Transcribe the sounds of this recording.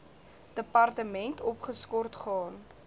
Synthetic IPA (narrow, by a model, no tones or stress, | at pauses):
d̥əpɐrtəmɛntɔpχəskɔrtχɑːn